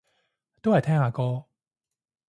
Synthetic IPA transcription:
t̪o˦a˨˩˨t̪ʰa˥˦a˨˩kɔ˦

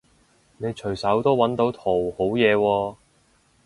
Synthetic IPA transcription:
ne˨˧jt͡ʃʰɵ˨˩jsɐ˨˥wt̪o˥wwɐ˨˥nt̪o˨˥wt̪ʰo˨˩who˨˥wjɛː˨˧wɔː˧

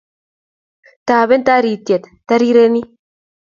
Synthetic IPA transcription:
t̪aː˨βɛ˦nt̪a˦ɾi˨t̪ːjɐ˨t̪t̪ɐ˦ɾi˦ɾe˦ni˦

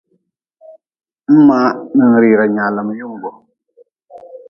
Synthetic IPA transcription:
m̩˦ma˦nɨ˨ŋ˨ɾi˨ɾa˨ɲa˨la˨mə˨ju˦ŋ˨ɡɔ˨

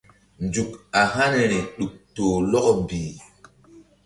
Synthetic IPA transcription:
nd͡ʒu˨ka˨ɦa˦n˨ɾi˨ɗu˨k̚toː˨lɔ˦ʔmbiː˨

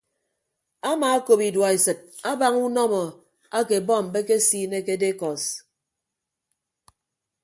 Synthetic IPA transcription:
a˦maː˨a˦ko˨pi˨dwa˨e˨sɨ˨t̚a˦ba˦ŋu˦nɔ˦mɔ˨ | a˦ke˨bɔ˦˨m̩˨be˦ke˦siː˦ne˦ke˦de˦kɔ˨s

